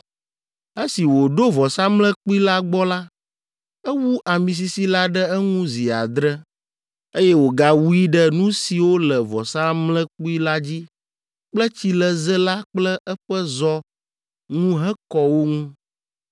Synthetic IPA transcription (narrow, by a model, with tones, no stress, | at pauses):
e˦si˨wo˨ɖo˦vɔ˨sa˦mlə̃˦k͡pu˦i˦la˦ɡ͡bɔ˦la˦ | ɛ˦wu˦ʔa˨mĩ˨s̬i˨si˦la˦ɖə˦ɛ˦ŋũ˦zi˨a̰˨d̪ɾə˦ | e˦jɛ˦wo˨ɡa˦wu˦i˦ɖə˦nũ˦si˨wo˦lɛ˨vɔ˨sa˦mlə̃˦k͡pu˦i˦la˦d͡ʑi˦ | k͡plə˦t͡ɕi˦lə˨zɛ˦la˦k͡plə˦ʔɛ˦ɸə˦zɔ˦ | ŋũ˦ɦɛ˦kɔ˨wo˦ŋũ˦